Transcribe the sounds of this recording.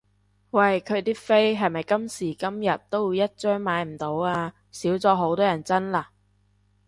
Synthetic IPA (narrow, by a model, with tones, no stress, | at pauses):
wɐ˨jkʰɵ˨˧t̪iː˥fe˥jɦɐ˨jmɐ˨jkɐ˥msiː˨˩kɐ˥mjɐ˨t̚t̪ːo˥wiː˨˧wjɐ˥t̚t͡ʃœː˥ŋmaː˨˧jm̩˨˩t̪o˨˥waː˧ | siː˨˥wt͡sɔː˧ɦo˨˥wt̪ɔː˥jɐ˨˩nt͡sɐ˥nlaː˧˩